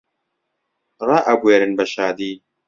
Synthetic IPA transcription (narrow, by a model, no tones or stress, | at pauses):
rˤɑʔɐbweːɾɨnbɐʃaːd̪iː